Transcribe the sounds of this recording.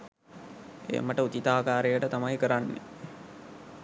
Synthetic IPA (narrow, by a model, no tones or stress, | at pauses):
ḛːməʈəut̪it̪aːkaːɾejəʈət̪amajkəɾanːḛ